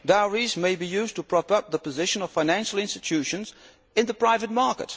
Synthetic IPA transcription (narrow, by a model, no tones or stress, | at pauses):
d̥aʊɹizmeɪbijʉztʰəpʰɹ̥ɑpʌp̚ðəpɨzɪʃə̃nʌv̥faɪnæ̃nʃl̩ˠɪ̃nstɨtʰʉʃɨ̃nz | ɨ̃nðəpʰɹ̥aɪvɨt̚mɑɹkə̰t̚